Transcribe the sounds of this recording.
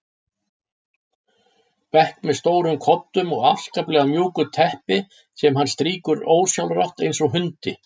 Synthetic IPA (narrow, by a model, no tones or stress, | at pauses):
pɛhkmɛðst̪oːwɾʏmkʰɔp̚t̪ʏmɔɣa̰fskaplɛːɣamjuːkʏt̪ʰɛhpɪ | sɛmɦanːst̪ɾiːkʏɾoːwsjawlraht̪ejnsɔɦʏnt̪ɪ